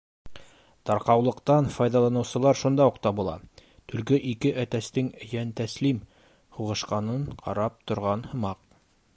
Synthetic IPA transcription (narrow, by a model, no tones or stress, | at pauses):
t̪ɑɾqɑwlˠɤ̆qt̪ɑnfɑjðɑlˠɑnɤ̆wsɤ̆lˠɑɾʃund̪ɑuqt̪ɑbulˠɑ̰ | t̪ɵ̆lɡɵʔikɘʔæt̪æst̪ɘŋjænt̪æslim | huʁɤ̆ʃqɑnɤɴqʰɑ̰ɾɑp̚t̪ŏɾʁɑnhɤ̆mɑq